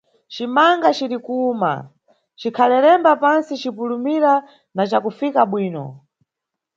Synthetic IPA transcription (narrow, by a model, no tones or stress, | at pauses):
t͡ʃimaŋɡat͡ʃiɾikuːma̰ | t͡ʃikʰalɛɾɛmbapansit͡ʃipulumiɾa | nat͡ʃakufikaɓwiːnɔ̰